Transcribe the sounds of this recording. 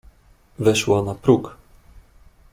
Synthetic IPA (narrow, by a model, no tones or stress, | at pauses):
vɛʃwanapɾuk